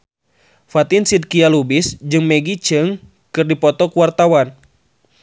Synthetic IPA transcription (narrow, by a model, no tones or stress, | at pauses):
fat̪insid̚kialubisd͡ʒɨŋmɛɡit͡ʃɨŋ | kɨrdipɔt̪ɔkuwart̪awan